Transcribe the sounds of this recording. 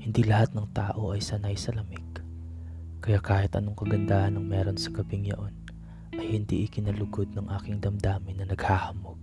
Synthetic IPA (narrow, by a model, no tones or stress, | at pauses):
hɪnd̪ilɐhat̪̚nɐŋt̪aːʔo̞ʔɐjsɐnajsɐlɐmɪɡ | kɐjaːkaːhɪt̪ʔɐ̰no̞ŋkɐɡɐnd̪aːhɐnɐŋmɛːɾo̞nsɐɡɐbɪŋjɐ̰ʔo̞n | ʔɐjhɪnd̪ḭʔɪkɪnɐlʊɡo̞d̪̚nɐŋʔaːkɪŋd̪ɐmd̪aːmɪnɐnɐɡ̥haːhɐmoɡ̥̚